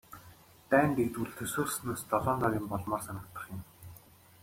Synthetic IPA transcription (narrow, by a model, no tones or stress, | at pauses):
t̪æːnt̪ekt̪uɬt̪ʰɵsoːrsnoːst̪ɔɮɔːnt̪ɔɾʲiːmpɔɮmɔːrsanə̆kt̪ə̆χjʊ̆m